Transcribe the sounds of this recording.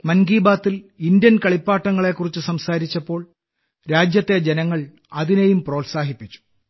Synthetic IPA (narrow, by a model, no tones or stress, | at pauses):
mɐnɡiːbaːt̪ːilind̪jɐnkɐɭipːaːʈːɐŋːɐɭe̞kːurit͡ɕːɨsɐmsaːɾit͡ɕːɐpːo̞ːɭ | ɾaːd͡ʑjɐt̪ːe̞d͡ʑenɐŋːɐɭ | ɐðinejumpro̞ːlsaːɦipːit͡ɕːu̥